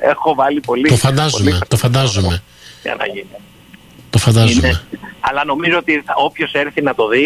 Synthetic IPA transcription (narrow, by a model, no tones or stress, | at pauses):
exo̞vɐlipo̞lit̪ofɐnd̪ɐzummet̪o̞fɐnd̪ɐzume | ɐ̰nɐ̰ʝin | t̪ofɐnd̪ɐznumeɐlɐno̞mizoot̪iɐo̞pço̞seɾθinɐt̪o̞ði